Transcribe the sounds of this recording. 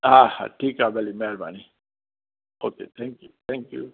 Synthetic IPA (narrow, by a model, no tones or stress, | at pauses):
aha̰ʈikabɛlimɛaɾbani | okḛt̪ʰɛ̃ŋkjut̪ʰɛ̃ŋkjṵ